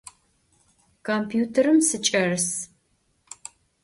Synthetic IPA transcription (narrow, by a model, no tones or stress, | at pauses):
kʰompʰjuːtʰɐɾɨmsɨt͡ʃʼɐrɨs